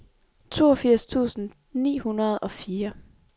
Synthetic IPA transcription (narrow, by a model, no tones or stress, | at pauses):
t͡sʰo̝ːɒfiɐ̰st͡sʰṵːsn̩ | nḭːhunɐð̞̩ˠɒ̽fiːɐ